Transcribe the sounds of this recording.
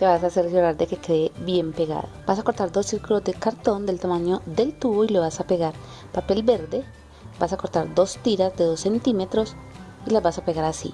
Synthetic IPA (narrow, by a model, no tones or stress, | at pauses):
t̪e̞βas̬aselsjoɾaɾd̪eke̞keðebje̞mpe̞ɣa̰ðob̥asako̞ɾt̪aɾd̪o̞sːiɾkulo̞zd̪e̞kaɾt̪o̞nd̪e̞lt̪amãɲo̞ðe̞lt̪uβoiloβasapeɣaɾ | pape̞lbe̞ɾðe | b̥asako̞ɾt̪aɾd̪o̞st̪iɾazd̪eðo̞sːe̞nt̪ime̞t̪ɾo̞silazβasapeɣaɾasḭ